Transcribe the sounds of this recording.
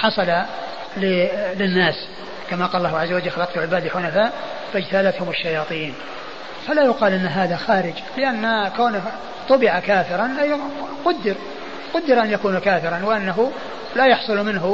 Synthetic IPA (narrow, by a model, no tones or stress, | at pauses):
ħɑsˤɑla | lɪlɪnːaːs | kamaqɑːlːɑːhʊʕazːawad͡ʒlxalɑqt̪uʕɪbaːd̪ħʊnafaːʔ | fad͡ʒt̪aːlat̪hʊmɪʃːajɑːt̪ˤiːn | falajʊqɑːlʔɪnːɦaːðaxaːɾɪd͡ʒ | lɪʔanːkawnɪ | t̪ˤʊbɪʕakaːfɪɾˤɑnqʊd̪ːɪɾ | qʊd̪ːɪɾʔanjakuːnukaːfɪɾˤɑnwɪʔanːaɦʊ | lajɑħsˤʊlmɪnɦʊ